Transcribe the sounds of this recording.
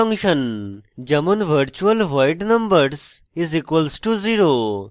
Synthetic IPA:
ɐ̃ŋʃənd͡ʒɐmənʋəɾt͡ʃuəlʋaɪʈnɐ̃mbəɾs | izikʋəlsʈuziɾo

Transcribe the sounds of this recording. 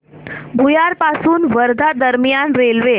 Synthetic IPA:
bʱujaɾpasuːnʋəɾd̪ʱad̪əɾmjanɾelʋe

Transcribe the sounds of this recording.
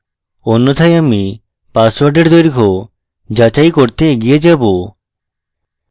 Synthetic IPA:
onːot̪ʰajami | paswaɾɖeɽd̪ojɾkʰo | d͡ʒat͡ʃajkoɾt̪eɡijed͡ʒabo

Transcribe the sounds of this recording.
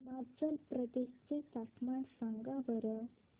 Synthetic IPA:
mad͡zəlpɾəd̪eɕt͡set̪aʈmaɳsaŋɡaʋəɾə

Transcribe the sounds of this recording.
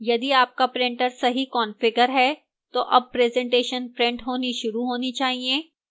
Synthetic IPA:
jɐd̪iaːp̚kapɾɪ̃ɳʈəɾsɐɦikɔːnfɪɡəɾɦɛ | t̪oʔɐb̚pɾɛːzɛ̃ɳʈeːʃənpɾɛ̃ɳʈɦoːniʃʊɾuɦoːnit͡ʃaːɦieː

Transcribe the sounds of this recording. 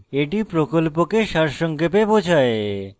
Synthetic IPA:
eʈipɾokolpokeʃaɾʃɔŋkepebod͡ʑʰʱae

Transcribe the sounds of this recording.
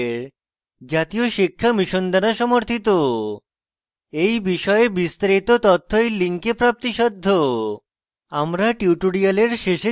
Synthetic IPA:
ɾ | d͡ʑat̪ioʃikʰːamiʃond̪aɾaʃɔmoɾt̪ʰit̪o | ejbiʃɔeebist̪aɾit̪ot̪ɔt̪ʰːojliŋkepɾap̚t̪iʃɔd̪ʱːo | amɾaʈiuʈoɽialeɾʃeʃe

